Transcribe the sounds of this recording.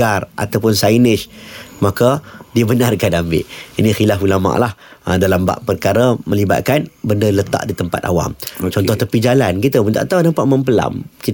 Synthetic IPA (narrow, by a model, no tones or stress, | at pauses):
arʔa̰t̪awpʊnsainɪʃmakadiəbənarkanambɪ̰ʔinĩxilafulama̰ʔlahədalamba̰ʔpərkaɾəmə̃liba̰t̪̚kanbəndələt̪a̰ʔdit̪əmpa̰t̪a̰wa̰mt͡ʃɔnt̪ɔht̪əpid͡ʒalankit̪əbənt̪a̰ʔt̪awnapaʔməmpəla̰mkit̪